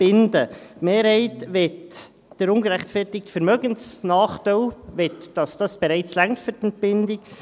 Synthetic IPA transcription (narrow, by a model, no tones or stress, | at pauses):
b̥ɪndəmeːɾhɛɪtʋɛt | d̥əɾʊnɡəɾɛχtfɛrtɪk̚tfɛɾmœɡənsnaːχtaɪlvɛtd̥ɑsd̥ɑsb̥eɾɛɪt͡slæŋktfʏɾtɛnt̚b̥ɪndɪk